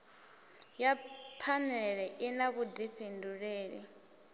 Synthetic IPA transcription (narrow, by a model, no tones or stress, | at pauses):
japʰanɛɺɛʔinakudiɸinduɺeːɺḭ